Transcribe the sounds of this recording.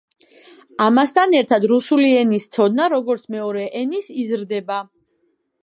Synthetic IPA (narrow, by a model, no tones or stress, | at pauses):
amast̪ʰanɛɾt̪ʰad̪ɾusuliɛnist̪sʰɔd̪̚naɾɔɡɔɾt̪sʰmɛɔɾɛʔɛnisizɾd̪ɛba